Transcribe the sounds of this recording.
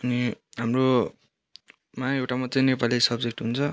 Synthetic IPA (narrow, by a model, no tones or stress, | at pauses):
ʌniɦamro | mãewʈamat͡sʌĩnepalisʌbd͡zek̚ʈɦunt͡sʰʌ